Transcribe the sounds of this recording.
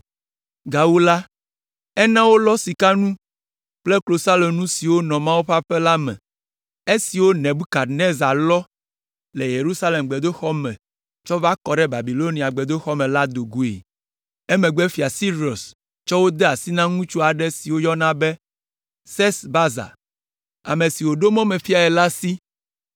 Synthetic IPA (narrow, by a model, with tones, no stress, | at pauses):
ɡa˨wu˦la˦ | ɛ˦nã˦wo˦lɔ˦si˨ka˦nũ˦ | k͡plɛ˦klo˨sa˦le˨nũ˦si˨wo˦nɔ̃˨mã˦wo˦ɸa˦ɸɛ˦la˦mɛ̰̃˨ | e˦si˨wo˦nɛ̃˨bu˦ka˨ne˦za˨lɔ˦ | lɛ˨je˨ɾu˦sa˦le˨mɡ͡bɛ˨d̪o˦xɔ˦mɛ̃˨ | t͡ʃɔ˦va˦kɔ˨ɖɛ˦ba˨bi˨lo˦nĩ˨a˨ɡ͡bɛ˨d̪o˦xɔ˦mɛ̃˨la˦d̪o˨ɡu˦ḛ˨ | ɛ˦mɛ̃˨ɡ͡bɛ˦fi˨a˨si˦ɾi˨o˨s | t͡ʃɔ˦wo˦d̪ɛ˦a˨si˦nã˦ŋũ˦t͡ʃu˦a˨ɖɛ˦si˨wo˦jɔ˦nã˦bɛ˦ | sɛ˦sba˦za̰˨ | a̰˨mẽ˨si˨wo˨ɖo˦mɔ̃˦mɛ˨fi˦a˨ɛ˨la˦si˦